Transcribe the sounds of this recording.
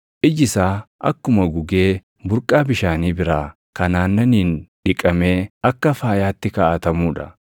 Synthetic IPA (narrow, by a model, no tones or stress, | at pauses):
ʔɪd͡ʒɪsaːʔɐ̰kːʊmɐɡʊɡeː | bʊɾkʼaːbɪʃaːniːbɪɾaː | kɐnaːnːɐniːnᶑɪkʼɐme̞ːɐkːɐfaːjaːt̪ːɪkaːʔɐt̪ɐmuːᶑɐ̰